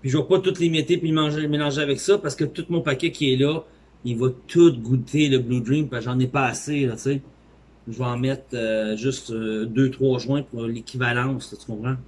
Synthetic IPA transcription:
piʒəvɐpɔt̪ʊt̪limit̪epilmɑ̃ʒemelɑ̃ʒeavɛksʌpaʁsə̥kət̪ut̪̚mɔ̃pakʲɛkʲiɛlʌ | ivʌt̪ʰut̪̚ɡut̪ʰeləblud̪ʁĩmpaʒɑ̃nepaːselɔt͡se | ʒəvɔɑ̃mɛt̪øʒʏst̪ød̪øt̪χwɑʒwɛ̃puʁlekʲʰivalɑ̃ŋslɔt̪y̥kɔ̃pχɑ̃

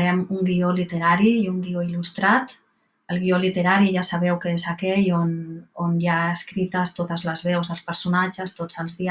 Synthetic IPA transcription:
ɾɛmuŋɡiolit̪eɾaɾiuŋɡioilust̪ɾat̪ | əlˠɣiolit̪eɾaɾiʒasaβ̞ɛwkeezakɛʎononjaəskɾit̪əst̪ot̪əzləzβɛwzəlˠspəɾsunat͡ʃəst̪od͡zəlˠzði

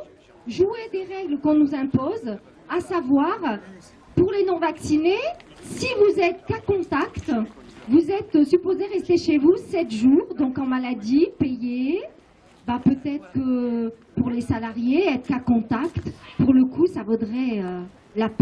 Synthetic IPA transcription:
ʒued̪eʁɛɡləkɔ̃nuzɛ̃poz | asavwaʁ | puʁlenɔ̃vaksinesivuzɛt̪kakɔ̃t̪akt̪vuzɛt̪sypozeʁɛst̪eʃevusɛt̪ʒuʁd̪ɔ̃kɑ̃malad̪ipeje | bapøt̪ɛt̪χə̥kəpuʁlesalaʁjeɛt̪χkakɔ̃t̪akt̪puʁləkʰusavod̪ʁɛø | lap

